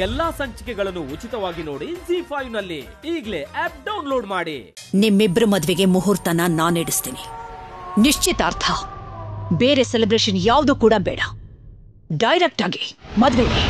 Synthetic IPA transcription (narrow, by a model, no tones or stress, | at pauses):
ɛlːaːsɐɲt͡ʃikɛɡɐɭɐnːuut͡ʃit̪ɐʋaːɡinoːɽisiːpʰɐjʋnɐlːi | iːɡleɛːp̚ɖɐwnloːɖmaːɽḭ | nimːibɾɐmɐd̪ʋeɡe̞muɦuɾt̪ɐnɐnaːneːɽust̪iːni | niʂt͡ʃit̪ɐːɾt̪ʰɐ | beːɾe̞selebɾeːʃɐnjaːʋd̪uːkuːɽɐbɛ̰ːɽɐ | ɖɐjɾek̚ʈaːɡi̥mɐd̪ʋee